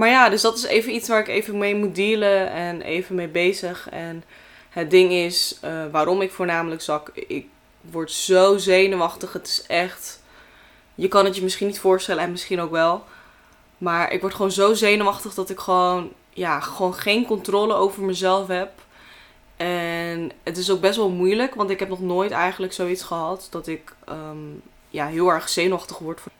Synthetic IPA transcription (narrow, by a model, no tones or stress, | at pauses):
maːɹjaːdɵsdɑtɪsejvənitsʋaːɹɪkejvəmejmut̚diːləɛnḛjvənmejbejzəχɛn | ɦət̚dɪŋɪsəʋaːɾɔmɪkfʊːɹnaːmələksɑkɪ̰k̚ | ʋɔɹtz̥owzejnəʋɑχtəχɦətɪ̥sɛχt | jəkɑnɦətjəmɪsχinitfʊːɹstɛləɛnmɪsχinowkʋɛlˠ | maːɹʔɪ̰kʋɔɹtχəʋownzowzejnəʋɑχtəχdɑtɪkχəʋown | jaːχəʋownχejnkɔntrɔːləowvəɹməzɛlˠfɦɛp | ʔɛnətɪs̬owɡ̚bɛstʋɛlˠmujləkʋɑntɪkɦɛpnɔχnoːjtɛjχənləksowitsχəɦɑtd̥ɑtɪkəm | jaːɦɪːlˠɛɹχz̥ejnəʋɑχtəχʋɔɹtf